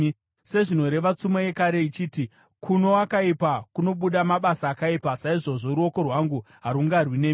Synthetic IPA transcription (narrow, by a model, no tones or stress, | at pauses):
se̞ʐino̞ɾe̞ʋat͡sumaje̞kaɾe̞it͡ʃiːti | kuno̞akaipakuno̞ɓuɗamaɓasaːkaipasaiʐo̞ʐo̞ɾuo̞ko̞rwaŋɡu | ɦaɾuŋɡarwine̞ːm